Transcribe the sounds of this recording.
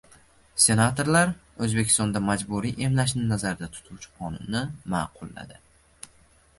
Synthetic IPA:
se̞nat̪ʰo̞ɾlaɾɵzbe̞kʲɪ̥st̪ɒnd̪amad͡ʒbuɾijʔe̞mlaʃ̬nɪnazaɾd̪at̪ʰʊ̥t̪ʰuwt͡ʃʰɪ̥qʰɒnʊnːɪmaːqʰʊlˠːa̰d̪ɪ

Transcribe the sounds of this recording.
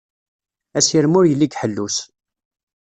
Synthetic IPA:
æsjəɾmʊɾjəlːiɡħəlːus

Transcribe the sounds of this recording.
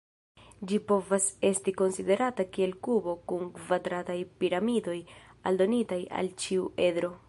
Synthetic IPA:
d͡ʒipo̞vase̞stiko̞nside̞ɾatakie̞lkubo̞kuŋkvadɾatajpiɾamido̞ja̰ldo̞nitaja̰lt͡ʃiuʔe̞dɾo̞

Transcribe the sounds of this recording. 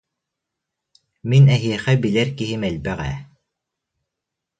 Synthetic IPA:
minɛɦiɛχɛbilɛɾkiɦimɛlʲbæʁæ̰

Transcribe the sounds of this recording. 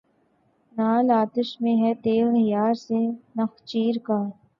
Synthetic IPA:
naːlaːt̪əʃmẽɦɛt̪eːɦəjaːɾsenɐxt͡ʃiːɾkaː

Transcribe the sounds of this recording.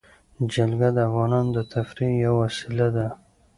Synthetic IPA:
d͡ʒalɡad̪əafɣɑnɑnd̪ət̪ʰafɾijawasilad̪a

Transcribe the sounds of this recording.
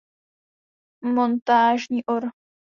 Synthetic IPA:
mont̪aːʒɲiːʔoɾ

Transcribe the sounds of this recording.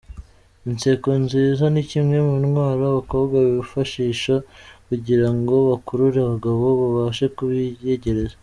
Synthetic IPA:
int͡se̞konziːzanicimŋe̞munwaːɾoβako̞βɡaβiβifaʃiːʃakuɟiɾaŋɡo̞βakuɾuɾaaβaɡaβo̞βaβaːʃekuβijeɟe̞ɾe̞za

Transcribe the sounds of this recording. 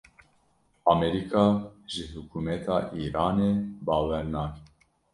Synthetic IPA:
ɑːmɛɾikʰɑːʒɨhukʰumɛt̪ʰɑːʔiːɾɑːneːbɑːwɛɾnɑːk

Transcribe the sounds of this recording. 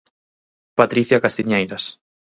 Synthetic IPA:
pat̪ɾiθjakast̪iɲejɾas

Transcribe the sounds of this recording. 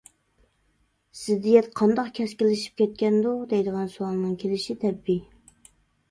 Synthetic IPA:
sɪd̪ijɛt̪qʰɑnd̪ɑqkʲʰɛskʲɪlːɪʃi̥p̚kʲʰɛt̪̚kʲɛnd̪ud̪ɛjd̪əʁɑnsuɑŋˠnɨŋkʲʰelɪʃit̪ʰɛbːi

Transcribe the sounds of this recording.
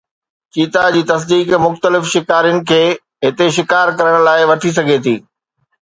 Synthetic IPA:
t͡ɕiːt̪ad͡ʑiːt̪ɐs̬d̪iːkmʊxt̪əlɪfʃɪkaːɾijʊnɪ̆kʰeː | ɦɪt̪eʃɪkaːɾkɐɾəɽ̃laːɪʋɐʈʰis̬ɐɡʱet̪ʰḭː

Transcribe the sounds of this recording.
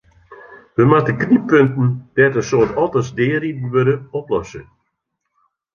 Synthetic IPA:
ʋəmatəknipøntn̩d̥ɛtəsoːtɔlˠtəsdɪːridn̩ʋøɾəɔplɔsə

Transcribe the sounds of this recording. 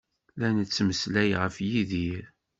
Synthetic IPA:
lænət͡sːməslæjʁəfjiðiɾ

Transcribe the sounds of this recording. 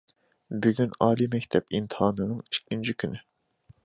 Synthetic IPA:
byɡʲynɑːlimɛkʲt̪ʰɛpint̪ʰɨɦɑːnɨnɨŋi̥t͡ʃkʲːint͡ʃʰikʲʰynɪ

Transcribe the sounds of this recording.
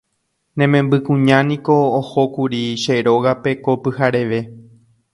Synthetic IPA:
nẽ̞mẽ̞mbɨkũɲãnĩko̞ːhokuɾiʃeɾo̞ɣape̞ko̞pɨhaɾe̞ʋe̞

